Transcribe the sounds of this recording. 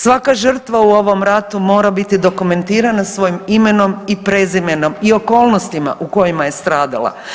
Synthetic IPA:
sʋakaʒr̩t̪ʋauo̞ʋo̞mɾat̪umo̞ːɾabit̪id̪o̞kume̞nt̪iːɾanasʋo̞jimime̞no̞mipɾe̞zimeno̞mio̞ko̞ːlˠnost̪ima̰ʔuko̞jimaje̞st̪ɾaːd̪a̰lˠa̰

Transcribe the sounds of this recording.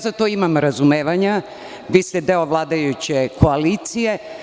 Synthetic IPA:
zat̪o̞imamɾazumeːʋaɲa | ʋiːst̪ɛd̪eoʋlˠaːd̪ajut͡ɕekʰo̞aliːt̪sije̞

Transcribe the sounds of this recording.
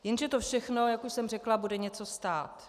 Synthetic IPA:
jɛnʒɛt̪ofʃɛxno̞jakuʃsɛmr̝ɛklabudɛɲɛt͡so̞st̪aːt̪

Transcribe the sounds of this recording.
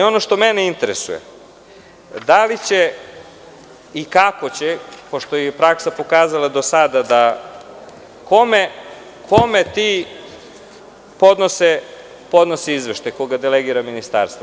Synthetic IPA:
o̞noʃt̪o̞meneint̪eɾḛsṵjḛ | d̪alit͡ɕe | ikakot͡ɕepoʃt̪ojepɾaksapo̞kaːzalˠad̪o̞sad̪ad̪a | ko̞me | kʰo̞met̪iː | po̞d̪nose | po̞d̪nosiizʋeʃt̪ajkoɡad̪eleɡiɾaminist̪a̰ɾst̪vo

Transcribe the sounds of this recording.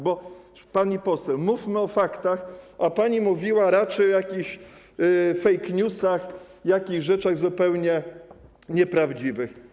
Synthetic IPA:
bɔ | paɲipɔsɛwmufmɘɔfakt̪axʔapaɲimuvʲiwaɾat͡ʂɛjɔjakʲiɕ | fɛjkɲusaxjakʲiɣʐɛt͡ʂaɣzupɛwɲɛ | ɲɛpɾavd͡ʑivɘx

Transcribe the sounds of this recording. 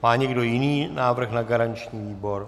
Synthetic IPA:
maːɲɛɡdo̞jɪniːnaːvr̩xnaɡaɾaɲt͡ʃɲiːviːbo̞ɾ

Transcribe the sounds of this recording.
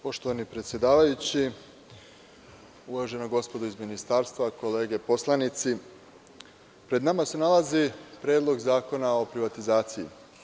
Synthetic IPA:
po̞ʃt̪o̞ʋanipɾet̪sʲje̞d̪aːʋajut͡ɕi | uʋaʒe̞noɡo̞spo̞d̪oizminist̪aːɾst̪ʋako̞le̞ːɡe̞po̞slˠanit̪si | pɾe̞d̪namase̞nalazipɾe̞ːd̪lˠo̞ɡzaːko̞nao̞pɾiʋat̪izaːt̪sijḭ

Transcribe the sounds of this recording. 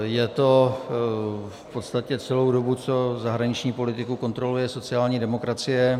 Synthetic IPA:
jɛt̪o̞ | fpo̞t̪st̪acɛt͡sɛlo̞wdo̞but͡so̞zaɦɾaɲɪt͡ʃɲiːpo̞lɪt̪ɪkuko̞nt̪ɾo̞lujɛso̞t͡sɪaːlɲiːdɛmo̞kɾat͡sɪjɛ

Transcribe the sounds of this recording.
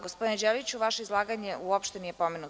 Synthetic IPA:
ɡospod̪ined͡ʑelit͡ɕuʋaʃeizlˠaːɡaɲeuopʃt̪enije̞po̞menu

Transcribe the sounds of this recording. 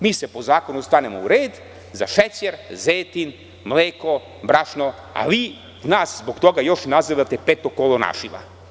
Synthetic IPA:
miːsɛpozaːkonust̪anɛmouɾeːd̪ | zaʃɛt͡ʃɛɾzet̪in | mlɛko | bɾaʃno | a̰vi | naszbokt̪oɡajoʃnaziʋat̪ɛpɛt̪okolˠona̰ʃiʋa̰

